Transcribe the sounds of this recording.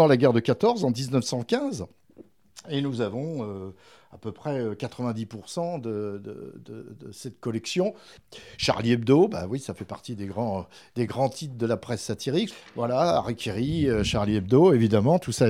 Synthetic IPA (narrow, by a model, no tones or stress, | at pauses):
ɑ̃laɡʲɛʁd̪əkat̪ɔʁzɑ̃d̪iznəfsɑ̃kʲɛ̃z | enuzavɔ̃ø | apøpχɛøkat̪χəvɛ̃d̪ipuʁsɑ̃d̪əd̪ə̰d̪əd̪əsɛt̪̚kɔlɛksjɔ̃ʃa̰ʁliɛbd̪oba̰wisafɛpaʁt̪id̪eɡʁɑ̃ | d̪eɡʁɑ̃t̪it̪d̪əlapχɛsːat̪iʁikvwalaa̰ʁikʲeʁiøʃaʁliɛb̚d̪oevid̪amɑ̃t̪usa